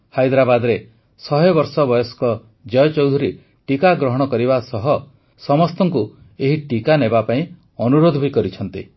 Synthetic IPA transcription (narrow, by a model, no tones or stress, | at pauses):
hajd̪ɾabad̪ɔɾe | sɔɦebɔɾsɔbɔjɔskɔ | d͡ʒɔjɔt͡ʃɔwd̪ʱuɾi | ʈikaɡɾɔɦɔɽ̃ɔkɔɾibasɔɦɔ | sɔmɔst̪ɔŋku | eɦiʈikanebapaĩ | ɔnuɾod̪ʱɔbʱikɔɾit͡ʃʰɔn̪t̪ḭ